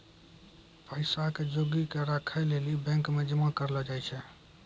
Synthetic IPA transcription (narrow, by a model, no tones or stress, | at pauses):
pəɪsaked͡ʒoɡikeɾakʰəjlelibɛ̃ŋkmed͡ʒəmakəɾlɔd͡ʒajt͡ʃʰɛ